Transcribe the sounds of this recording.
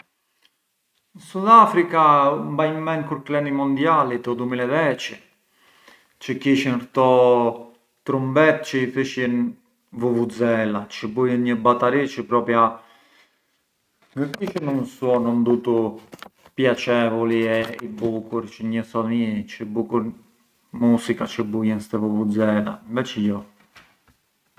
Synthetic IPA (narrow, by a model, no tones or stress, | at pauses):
suðafɾikambajmɛnkuɾklɛnimɔnd̪jalit̪ɔd̪umilɛvɛt͡ʃə | t͡ʃəkiʃinkt̪ɔ | t̪ɾumbɛt̪̚t͡ʃəiθəʃən | vuvud͡zɛlat͡ʃəbujənɲəbat̪aɾit͡ʃəpɾɔpja | ŋɡəkiʃinunsuɔnɔnd̪ut̪u | pjat͡ʃɛvuliɛibukuɾt͡ʃəɲəsɔnit͡ʃəbukuɾ | musikat͡ʃəbujɛnst̪ɛvuvud͡zɛla̰mvɛt͡ʃjɔ